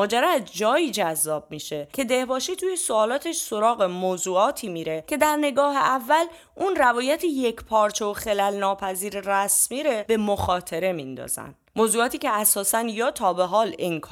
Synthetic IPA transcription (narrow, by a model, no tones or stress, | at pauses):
mɒːd͡ʒæɾɒzd͡ʒɒːjiːd͡ʒæzːɒːb̚miʃe̞cʰe̞d̪e̞hbɒːʃit̪ʰuːjesoɒːlɒːt̪ʰeʃso̞ɾɒːɣemoːzuːɒːt̪ʰiːmiːɾe̞cʰe̞d̪æɾne̞ɡɒːɦe̞ʔævːæl | unrævɒːjæt̪ʰijecʰpʰɒːɾt͡ʃʰe̞voxe̞lælnɒːpʰæziːɾeræsmiːɾeb̥e̞moxɒːt̪ʰe̞ɾe̞mind̪ɒ̰ːz̥æ̰nd̪moːzuːɒːt̪iːceæsɒːsænjɒːt̪ʰɒːbe̞ɦɒːleŋkʰː